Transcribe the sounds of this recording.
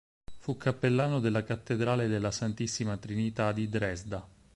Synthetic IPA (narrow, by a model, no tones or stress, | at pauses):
fukʰːapːelːaːnod̪elːakat̪ːed̪ɾaːled̪elːasant̪isːimat̪ɾinit̪ad̪id̪ɾɛzd̪a